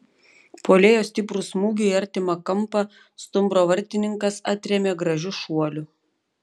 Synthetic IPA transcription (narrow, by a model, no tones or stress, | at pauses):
poːlʲeːjoːsʲt̪ʲɪpɾʊsmuːɡʲʊiɐɾʲt̪ʲɪmɐkɐmˑpɐ | st̪ʊmbɾoːʋɐɾʲˑt̪ʲɪnʲɪŋkɐsɐt̪ʲɾʲɛmʲeːɡɾɐʒʲʊʃuɔlʲʊ